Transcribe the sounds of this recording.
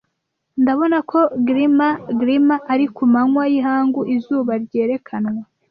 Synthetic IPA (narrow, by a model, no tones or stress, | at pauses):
ndaβo̞nakʰo̞ɡɾimaɡɾimaʔːɾikumaŋwajiɦaːŋɡuʔizuːβaɾɟe̞ːɾe̞kʰanŋwa